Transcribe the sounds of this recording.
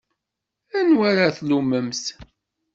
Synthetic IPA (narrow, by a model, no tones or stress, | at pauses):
ænwaɾaθluməmθ